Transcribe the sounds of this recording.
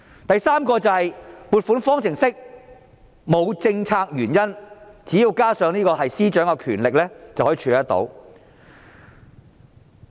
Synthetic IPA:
t̪ɐ˨jsaː˥mkɔː˧t͡sɐ˨whɐ˨jpuː˨t̚fu˨˥nfɔː˥ŋt͡sʰɪ˨˩ŋsɪ˥k̚ | mo˨˧wt͡sɪ˧ŋt͡sʰaː˧k̚jyː˨˩njɐ˥nt͡siː˨˥ji˧wkaː˥sœː˨˧ŋniː˥kɔː˧ɦɐ˨jsiː˥t͡ʃœː˨˥ŋkɛ˧kʰyː˨˩nlɪ˨k̚lɛː˥t͡sɐ˨whɔ˨˥i˨t͡ʃʰyː˨˧lt̪ɐ˥t̪o̰˨˥w

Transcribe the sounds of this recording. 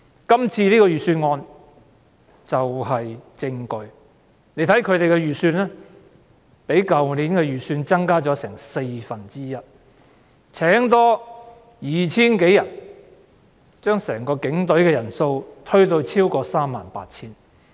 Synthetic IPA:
kɐ˥mt͡sʰiː˧liː˥kɔː˧jyː˨syː˧nŋɔː˧n | t͡sɐ˨wɦɐ˨jt͡sɪ˧ŋkɵ˨ɥ | ne˨˧jt̪ʰɐ˨˥jkʰɵ˨˧ɥt̪e˨jkɛ˧jyː˨syː˧nlɛː˥ | pe˨˥jkɐ˨wniː˨˥nkɛː˧jyː˨˩syː˧nt͡sɐ˥ŋkaː˥t͡sɔː˨˥sɛː˨˩ŋse˧jfɐ˨˩nt͡siː˥jɐ˥t̚ | t͡sʰɛː˨˥ŋt̪̬ɔː˥ | jiː˨t͡sʰiː˥nke˨˥jɐ˨˩n̚ | t͡ʃœː˥ŋsɛː˨˩ŋkɔː˧kɪ˨˥ŋt̪ɵ˨˥ɥkɛː˧jɐ˨˩nso˧wt̪ʰɵ˥ɥt̪o˧wt͡sʰiː˥wkɔː˧saː˥mːa̰ː˨npa̰ː˧t̚t͡sʰiː˥n

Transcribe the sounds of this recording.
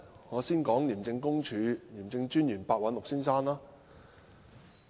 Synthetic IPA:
ŋɔː˨˧siː˥nkɔː˨˥ŋliː˨˩mt͡sɪ˧ŋkʊ˥ŋt͡ʃʰyː˨˧liː˨˩mt͡sɪ˧ŋt͡ʃyː˥njyː˨˩npaː˧t̚wɐ˨˥nlʊ˨k̚siː˥nsaː˥naː˥

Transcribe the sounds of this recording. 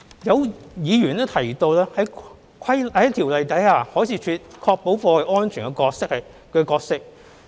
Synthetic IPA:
jɐ˨˧wjiː˨˧jyː˨˩nɛː˥t̪ʰɐ˨˩jt̪o˧wlɛː˥hɐ˨˥j | kʰɐ˥jɐ˨˥jt̪ʰiː˨˩wlɐ˨jt̪ɐ˨˥jaː˧hɔː˨˥jsʰiː˧˥t͡ʃʰyː˧t̚kʰɔː˧k̚po˨˥wfɔː˧hɐ˨˧ʔɔː˥nt͡ʃʰyː˨˩kɛ˧kɔː˧k̚sɪ˥k̚hɐ˨j | kɛː˧kɔː˧k̚sɪ˥k̚

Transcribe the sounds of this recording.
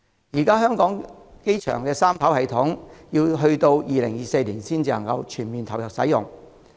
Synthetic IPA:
jiː˨˩kaː˥ɦœː˥ŋkɔː˨˥ŋke˥jt͡ʃʰœ̰ː˨˩ŋkɛː˧saː˥mt̪ʰɐ˨˥whɐ˨jt̪ʰʊ˨˥ŋjiː˧wɦɵ˧ɥt̪o˧wjiː˨˧lɪ˨˩ŋjiː˨se˧jliː˨˩nsiː˥nt͡siː˧lɐ̰˨˩ŋkɐ̰˧wt͡ʃʰyː˨˩nmiː˨nt̪ʰɐ˨˩wjɐ˨k̚sɐ̰˨˥jʊ̰˨ŋ

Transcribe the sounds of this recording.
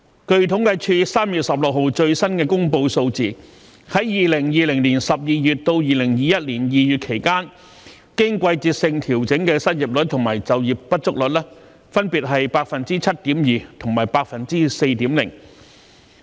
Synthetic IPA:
kɵ˧ɥt̪ʰʊ˨˥ŋkɐ˧jt͡ʃʰyː˧saː˥mjy˨t̚sɐ˨p̚lʊ˨k̚ɦo˨˧wt͡ʃɵ˧ɥsɐ˥nkɛː˧kʊ˥ŋpo˧wso˧wt͡siː˨ | hɐ˨˥jjiː˨lɪ˨˩ŋjiː˨lɪ˨˩ŋliː˨˩nsɐ˨p̚jiː˨jyː˨˩t̚t̪o˧wjiː˨lɪ˨˩ŋjiː˨˧jɐ˥t̚liː˨˩njiː˨˧jyː˨t̚kʰe˨˩jkaː˥n | kɪ˥ŋkʷɐ˧jt͡siː˧t̚sɪ˧ŋt̪ʰi˨˩wt͡sɪ˨˥ŋkɛː˧sɐ˥t̚ji˨p̚lɵ˨˥t̚t̪ʰʊ˨˩ŋmaː˨˩jt͡sɐ˨wjiː˨p̚ːɐ˥t̚t͡sʊ˥k̚lɵ˨t̚lɛː˥ | fɐ˥npiː˨t̚ɦɐ˨jpaː˧k̚fɐ˨nt͡siː˥t͡sʰɐ˥t̚t̪iː˨˥mjiː˨t̪ʰʊ˨˩ŋmaː˨˩jpaː˧k̚fɐ˨nt͡siː˥se˧jt̪iː˨˥mlɪ̰˨˩ŋ

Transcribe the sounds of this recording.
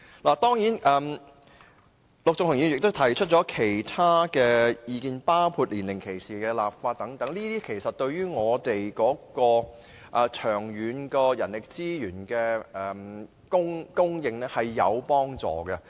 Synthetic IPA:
laː˨˩t̪ɔː˥ŋjiː˨˥nʔɛː˨m | lʊ˨k̚t͡sʊ˨ŋkʰʊ˨˩ŋjy˨˧jɪ˨k̚t̪ʊ˥t̪ʰɐ˨˩jt͡ʃʰɵ˥t̚t͡ʃɔː˨˥kʰe˨˩jt̪ʰaː˥kɛː˧jiː˧kiː˧npaː˥wpʰuː˧t̚liː˨˩nlɪ˨˩ŋkʰe˨˩jsiː˨kɛː˧laː˨p̚faː˧t̚t̪ːɐ˨˥ŋt̪ɐ˨˥ŋliː˥t̪iː˥kʰe˨˩jsɐ˨t̚t̪ɵ˧ɥɥyː˥ŋɔː˨˧t̪e˨jkɔː˨˥kɔː˧ | ʔɐ˨t͡ʃʰœː˨˩ŋjyː˨˧nkɔː˧jɐ̰˨˩nlɪ˨k̚t͡siː˥jyː˨˩nkɛː˧ʔɛ˨m | kʊ˥ŋkʊ˥ŋjɪ˧ŋnɛː˥hɐ˨jːɐ̰˨˧wpɔː˥ŋt͡sɔ̰ː˨˩ɡɛ˧

